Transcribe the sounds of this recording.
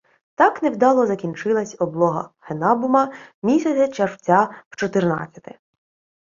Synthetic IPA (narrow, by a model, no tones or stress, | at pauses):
t̪ɑknewd̪ɑlˠɔzɐkʲint͡ʃɪlˠɐsʲɔblˠɔɦɐ̰henɑbʊmɐmʲisʲɐt͡sʲɐt͡ʃerwt͡sʲaw̥t͡ʃɔt̪ɪrnɑ̰t͡sʲːɐ̥t̪ɪ